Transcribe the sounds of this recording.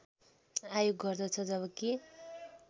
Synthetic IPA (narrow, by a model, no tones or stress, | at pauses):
ajoɡːʌrd̪ʌt͡sʰʌd͡zʌβʌke